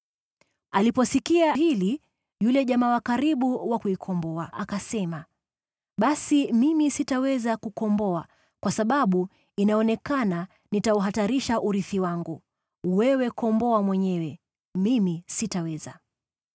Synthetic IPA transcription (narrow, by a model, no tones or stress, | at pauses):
alipɔsikiaɦili | julɛʄamaːwakaɾiɓuwakuikʰɔmbɔaʔakasɛma | ɓasimimisitawɛzakukɔmbɔa | kwasaɓaɓu | inaɔnɛkana | nitauɦataɾiʃaʔuɾiθiwaŋɡu | wɛwɛkɔmbɔamwɛɲɛwɛ | mimisitawɛza